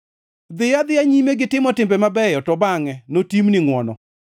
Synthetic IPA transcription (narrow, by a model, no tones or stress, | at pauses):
d̪ɪjad̪ɪaɲimeɡɪtɪmɔtɪmbɛmabɛjɔtɔbaŋɛnotimnɪŋwɔnɔ̰